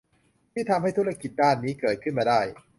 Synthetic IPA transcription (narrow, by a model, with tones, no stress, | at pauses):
t̪ʰiː˥˩t̪ʰa˧mha˥˩jt̪ʰu˦˥ɾa˥˧ki˨˩t̪̚daː˥˩nːiː˦˥kɤː˨˩t̪̚kʰɯ˥˩nmaː˧daː˥˩j